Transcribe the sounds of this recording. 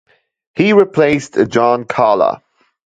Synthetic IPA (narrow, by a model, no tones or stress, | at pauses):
hiɹɪpʰl̥eɪstəd͡ʒɑ̃nkʰɑːlə̰